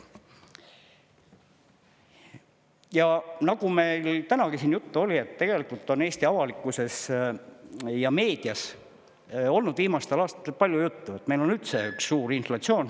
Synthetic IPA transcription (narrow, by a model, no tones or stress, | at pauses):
jɑnɑɡume̞jlt̪ænɑɡ̥isiːnjut̪ːuo̞lʲie̞t̪ːe̞ɡ̥e̞likult̪ːo̞ne̞ːst̪iɑvɑlikːˑuse̞s | jɑme̞ːd̪̥iɑs | o̞lnud̪viːmɑst̪elɑːst̪ɑt̪epɑlʲjujut̪ːuet̪ːme̞lo̞nylt̪se̞yksːuːɾinflɑt̪sio̞ːn